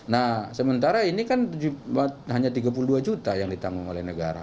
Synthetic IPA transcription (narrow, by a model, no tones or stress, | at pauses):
nasəmənt̪aɾainikand͡ʒubat̪̚ɦaɲat̪iɡap̬uluduad͡ʒut̪ajaŋdit̪aŋuŋo̰lɛnəɡa̰ɾa̰